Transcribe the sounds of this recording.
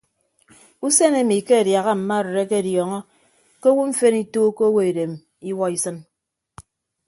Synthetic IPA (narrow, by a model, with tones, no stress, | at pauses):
u˦se˦ne˦˨mi˨ke˦e˨dja˨ɣa˦m̩˨ma˦˨ɾɨ˨ɾe˦ke˦˨djɔ˨ŋɔ˦ | ke˦wu˦ɱ̩˦fe˦ni˦toː˦ko˦we˨e˨de˨m˨ | i˦wɔ˦i˦sɨ˦n